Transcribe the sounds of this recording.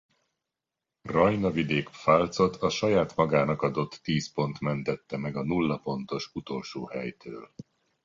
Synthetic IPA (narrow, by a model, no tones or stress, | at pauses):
rɒjnɒvid̪eːkfalt̪so̞t̪ʰɒʃɒjaːt̪mɒɡaːnɒkɒd̪o̞t̪ːiːspo̞nt̪mɛnt̪ɛt̪ːɛmɛɡɒnulːɒpo̞nt̪o̞ʃut̪o̞lʃoːhɛjt̪ʰøːl